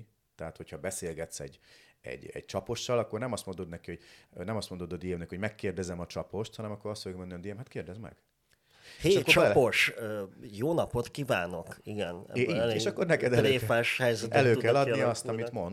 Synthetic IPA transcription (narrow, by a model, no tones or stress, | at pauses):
t̪ɛɦat̪hochɒbɛseːlɡɛt̪sɛ̰ɟɛ̰ɟɛ̰ɟ̚t͡ʃɒpo̞ʃːɒlɒkːornɛmɒst̪mond̪o̞d̪nɛkiho̞ɟnɛmɒst̪mo̞nd̪od̪ɒd̪ijemnɛkihoɟmɛkːeːrd̪ɛzɛmɒt͡ʃɒpo̞ʃt̪hɒnɛmɒkːo̞ɾɒst̪foɡmɛnønd̪ijɛmɦat̪keːrd̪ɛzmɛ̰ɡ̥ | eheːʃkot͡ʃpoʃ | joːnɒpot̪kivaːno̞kiɡɛnɛ̰iːɟeːʃɒkːo̞rnɛkɛd̪ɛlːeːfaːʃhɛjzɛt̪ɛløːkɛlːɒd̪iɒst̪ɒmit̪mo̞n